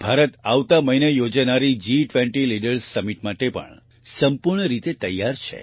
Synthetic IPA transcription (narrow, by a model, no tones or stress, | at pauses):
bʱaɾət̪aʋt̪aməinejod͡ʒanaɾid͡ʒiʈʋɛɳʈiliɖəɾsːəmiʈmaʈepə̰ɳ | səmpuɾɳəɾit̪et̪əjːaɾt͡ʃʰḛ